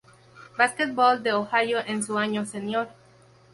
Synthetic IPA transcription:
basket̪̚bold̪eoxajoʔensuaɲosenjoɾ

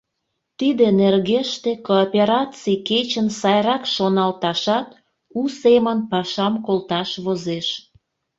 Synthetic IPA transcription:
t̪id̪enerɣeʃt̪ekoːpʲeɾɑt͡siket͡ɕənsɑjɾɑkʃonɑlt̪ɑʃɑt̪ | usemənpɑʃɑmkolt̪ɑʃβozeʃ

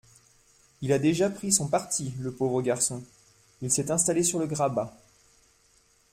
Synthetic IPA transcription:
ilad̪eʒapχisɔ̃paʁt̪iləpovʁəɡaʁsɔ̃ | ilsɛt̪ɛ̃st̪alesyʁləɡʁaba

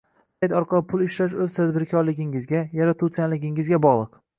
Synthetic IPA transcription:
t̪ʰajt̪ɒɾqʰɒlˠpʰʊlˠɪʃɾaʃ̬ɵz̥t̪ʰad̪bɪɾkʲʰɒɾlɪɡʲɪŋɪzɡʲajaɾat̪ʰusʲanlɪɡʲɪŋɪzɡʲabɒʁlˠɨq

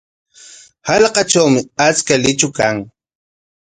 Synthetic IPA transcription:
hɑlqɑt͡ʃawmɪat͡skalɪt͡ʃʊkaŋ

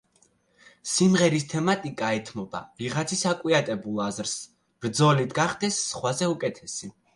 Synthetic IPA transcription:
simʁɛɾist̪ʰɛmat̪ʼikʼaɛt̪ʰmɔba̰viʁat̪sʰisakʼwiat̪ʼɛbulˠazɾs | b̥ɾd̪zɔlit̪ʰɡaχd̪ɛsːχwazɛukʼɛt̪ʰɛsi

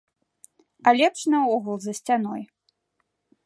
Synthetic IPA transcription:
alʲɛpʂnɨɔɣulˠzɐsʲt͡sʲanɔj

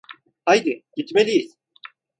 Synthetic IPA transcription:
hajd̪ɪɟit̪melʲijiz̥

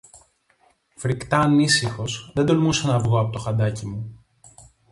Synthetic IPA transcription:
fɾikt̪ɐːnisixo̞sðe̞nd̪olmusonɐvɣo̞ɐpo̞t̪o̞xɐd̪ɐcimu

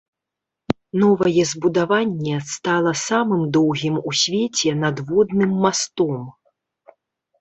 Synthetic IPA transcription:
nɔvɐjɛzbud̪avanʲːɛst̪alˠɐsamɨmd̪ɔwɣʲimusʲvʲet͡sʲɛnɐd̪vɔd̪nɨmːast̪ɔm

